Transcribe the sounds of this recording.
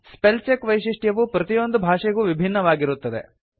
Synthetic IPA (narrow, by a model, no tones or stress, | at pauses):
spelt͡ʃekʋɐjʃiʂʈjɐʋupɾɐt̪ijo̞nd̪ubʱaːʂɛɡuːʋibʱinːɐʋaːɡiɾut̪ːɐd̪ḛ